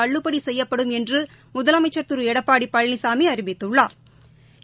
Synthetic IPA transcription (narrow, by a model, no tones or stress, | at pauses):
ɐɭːɯpːɐɽisɛjːɐpːɐɽɯmɛndrɯ | mʊðɐlɐmɐɪt͡ʃːɐɾt̪ɯɾɯɛɽɐpːaːɽipːɐɻɪnisaːmiɐɾɪbɪt̪ːɯɭːaːɾ